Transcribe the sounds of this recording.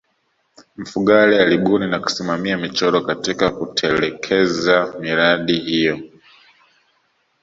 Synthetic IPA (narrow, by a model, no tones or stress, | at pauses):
m̩fuɠalialiɓuninaku̥simamiamit͡ʃɔɾɔkatikakutʰɛlɛkʰɛzamiɾaɗihijɔ